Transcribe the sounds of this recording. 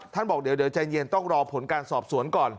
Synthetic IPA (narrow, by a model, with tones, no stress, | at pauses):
t̪ʰa˥˩nɓɔː˨˩ɗeː˨˩˦wɗeː˩˦wt͡ɕa˧jɲi˧ənt̪ɔ˥˩ŋɾɔː˧pʰo˨˦nkaː˧nsɔː˨˩p̚su˨˩˦ənkɔː˨˩n